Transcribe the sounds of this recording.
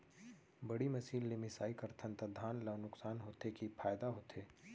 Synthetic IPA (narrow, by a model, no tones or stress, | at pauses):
bɐɽimɐsiːlːemɪsaːikɐɾt̪ʰə̃nt̪əd̪ʱaːnlɐʋnʊksaːnɦoːt̪ekipʰaːjd̪aɦoːt̪ʰeː